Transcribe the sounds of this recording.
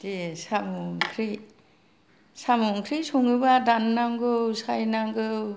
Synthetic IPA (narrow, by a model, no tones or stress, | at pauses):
desamuŋkʰɾi | samuŋkʰɾisuŋɯbadanːaŋɡɯwsajnaŋɡɯw